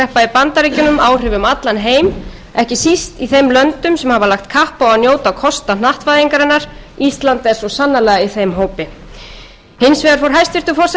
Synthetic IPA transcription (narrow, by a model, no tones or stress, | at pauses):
ɛhpaipant̪aɾicʏnʏmaːwr̥ɪvʏmat̪lanɦeːjm | ɛhcɪsist̪iθejmlœnt̪ʏmsɛmhavalaxt̪kʰahpawanjoːwt̪awkʰɔst̪anaht̪vajðiŋkaɾɛnːaɾ̥ist̪lant̪ɛsɔsanːalɛːɣaiθejmɦoːwpɪ | hɪnsvɛːðaɾ̥fowɾɦajst̪vɪr̥t̪ʏfɔs